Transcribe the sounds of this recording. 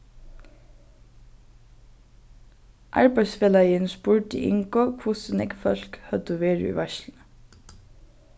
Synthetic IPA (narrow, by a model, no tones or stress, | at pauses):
ʔɑ̰ɹbæɪsfeːlɑɪənspʊɹt̪ḭʔɪ̰ŋkɔkʰʊsənɛ̰ːɡfœlkhœt̪əʋeːɹə̰y̰ːʋæʃln̩